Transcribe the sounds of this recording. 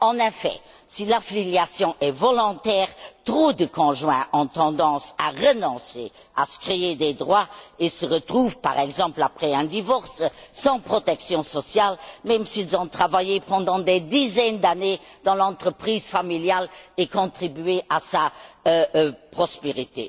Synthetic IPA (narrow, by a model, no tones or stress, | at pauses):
ɑ̃nɛfɛ̰ | silafiljasjɔ̃ʔɛvɔlɔ̃t̪ɛːʁt̪χod̪əkʰɔ̃ʒwɛ̰̃ʔɔ̃t̪ɑ̃d̪ɑ̃sa̰ʁənɔ̃sḛ | a̰sə̥kχeed̪ed̪ʁwaesəʁət̪χuːvpa̰ʁɛɡzɑ̃plapχɛɛ̃d̪ivɔʁssɑ̃pχɔt̪ɛksjɔ̃sɔsjalmɛmsiilzɔ̃t̪χavajepɑ̃d̪ɑ̃d̪ed̪izɛnd̪aned̪̥ɑ̃lɑ̃t̪χəpχiːzfamiljalekɔ̃t̪χibyeʔasa | pχɔspeʁit̪ḛ